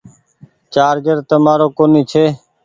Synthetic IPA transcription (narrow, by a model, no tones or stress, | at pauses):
t͡ʃaːɾd͡ʒəɾt̪əmaːɾoːkoːniːt͡ʃʰeː